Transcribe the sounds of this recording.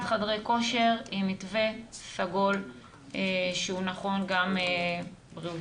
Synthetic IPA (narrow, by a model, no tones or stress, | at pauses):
dχadʁejko̞ʃeʁimitvesaɡo̞l | eʃeunaχo̞nɡamebʁi